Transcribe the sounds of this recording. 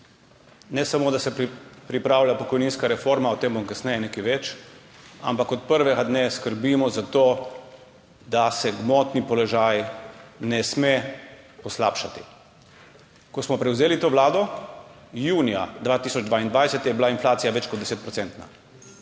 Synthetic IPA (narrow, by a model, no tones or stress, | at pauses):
nɛsamoːd̪asɛpɾipɾaːwlʲjapɔkɔjniːnskaɾɛfoɾmaɔt̪eːmbɔmkasnɛjɛnekiʋɛt͡ʃ | a̰mpakɔt̪̚pəɾʋɛɡad̪neskəɾbiːmɔzat̪oː | d̪asɛɡmɔt̪nipɔlɔʒajnɛsme | pɔsla̰ːpʃat̪i̥ | kɔsmɔpɾɛwzeːlit̪oːʋlaːd̪ɔ | juːnija̰d̪ʋaːt̪iːsɔd͡ʒd̪ʋaːind̪ʋajsɛt̪jɛbilainflaːt̪sijaʋɛt͡ʃkɔd̪d̪ɛseːt̪̚pɾɔt̪sɛnt̪na̰